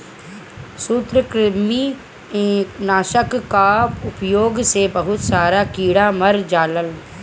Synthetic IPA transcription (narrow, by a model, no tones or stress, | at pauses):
suːt̪ɾəkɾɪmĩː | naːʃəkːaːpʊpjoːɡsebəɦʊt̪saːɾaːkiːɽaːməɾd͡ʒaːləl